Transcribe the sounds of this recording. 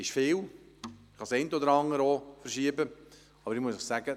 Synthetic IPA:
ɪʃfɪːw | χɑsɛɪntɔd̪əɾɑŋːəɾofəɾʃiəbə | ɑbəɾɪmuəsəχsæɡə

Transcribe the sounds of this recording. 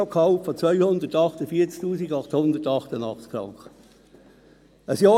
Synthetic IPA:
okʰɑʊffɔt͡svœʏhʊnd̪ətɑχtəfiːət͡sk̚tuːsiɡɑχthʊndətɑχtənɑ̰χt͡skʰɾɑ̰ŋkə | əsjɑː

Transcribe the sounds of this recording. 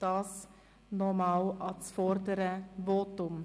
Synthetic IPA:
d̥ɑːs | nɔmɑwɑsfɔɾdəɾəvoːtʊm

